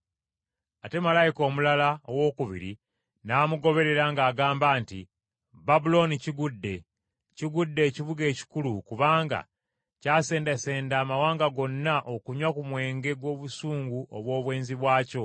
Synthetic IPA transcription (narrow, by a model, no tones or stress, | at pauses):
ate̞malajiko̞ːmulalaowo̞ːkuβḭɾḭ | naːmuɡo̞βe̞ɾe̞ɾaŋɡaːɡaːmbaːntḭ | babulo̞niciɡudːe̞ | ciɡudːe̞ːciβuɡe̞ːci̥kulukuβaːŋɡa̰ | caːse̞ːndase̞ːndaːmawaːŋɡaɡo̞nːaʔo̞kuɲwakumwe̞ːŋɡe̞ɡwo̞ːβusuːŋɡuʔoβwo̞ːβwe̞ːnziβwaːco̞